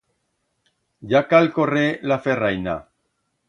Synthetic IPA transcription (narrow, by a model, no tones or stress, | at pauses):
jakalkorelaferajna̰